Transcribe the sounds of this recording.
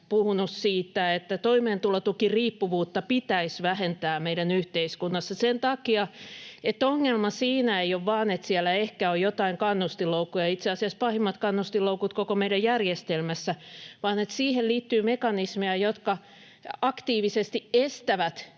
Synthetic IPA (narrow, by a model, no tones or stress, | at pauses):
puhunussiːt̪ːæet̪ːæt̪oimeːnt̪ulɑt̪ukiriːpːuʋuːt̪ːɑpit̪æisʋæhent̪æːmeiɾænyht̪eiskunːɑsːɑsent̪ɑkiɑet̪ːoŋːelmɑsiːnæeioʋʋɑːnet̪siælæehkæojjot̪ɑiŋkɑnːust̪iloukːujɑit̪seɑsiɑspɑhimːɑt̪kɑnːust̪iloukut̪kokomeidæjjærjest̪elmæsːæʋɑːnet̪siːhelliːt̪ːyːmekɑnismeæjot̪kɑ | ɑkt̪iːʋisest̪iʔest̪æʋæt̪